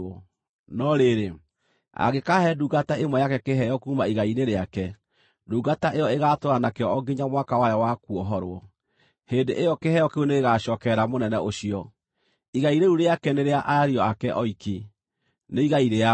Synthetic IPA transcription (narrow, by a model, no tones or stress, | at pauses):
ɔ | nɔɾeɾe | a̰ɣekahɛduɡataemwɛjakɛkeɦɛjɔkuːmaiɣaineɾeakɛ | duːɡataʔejɔeɣatoɾanakeɔɔɡeɲamwakawajɔwakuɔɦɔɾwɔ | heːndeʔejɔkehɛjɔkeuneɣeɣaɕɔːkɛɾamonɛnɛʔoɕiɔ | iɣaiɾeɾuɾeakɛneɾeaʔaɾiɔakɛʔɔiki | neiɣaiɾea